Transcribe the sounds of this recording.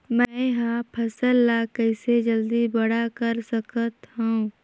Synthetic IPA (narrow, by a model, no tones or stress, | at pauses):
mɛ̃ɦãpʰɐsəlːakəɪsed͡ʒəld̪ibɐɽakɐɾsəkət̪ɦuũ